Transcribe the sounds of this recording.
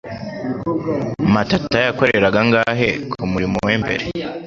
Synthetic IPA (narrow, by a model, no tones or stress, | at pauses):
matatajako̞ɾe̞ɾaɡaŋɡaːɦe̞kʰumuɾimoweːmbe̞̰ɾe